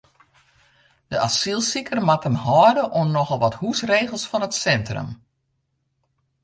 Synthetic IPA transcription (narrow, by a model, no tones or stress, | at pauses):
d̥əʔasilˠsikərmatənhɔːdəʔunnːɔxəlˠʋɔthusreːɣəlˠsfɔnətsɛntrə̰m